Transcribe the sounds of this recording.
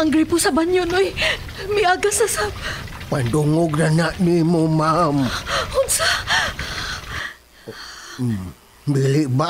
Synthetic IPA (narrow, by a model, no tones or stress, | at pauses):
aŋɡɾipʊsabaɲjʊnoj | miaɡasasa | panduŋʊɡ̚nanaʔmimomamʊnsa | m | biliʔba